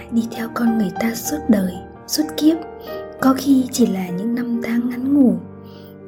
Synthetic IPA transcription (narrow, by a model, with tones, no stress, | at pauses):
jɗi˧t̪ʰɛ˧wkɔ˧nŋɨ˨˩əjt̪aː˧swə˦˥t̚ɗəː˨˩j | swə˦˥t̚ki˦˥əp̚ | kɔ˨˦xi˧t͡ɕi˧˩laː˨˩ɲɨ̰˧˥ŋna˧mt̪ʰaː˨˦ŋʔa˨˦nŋu˧˩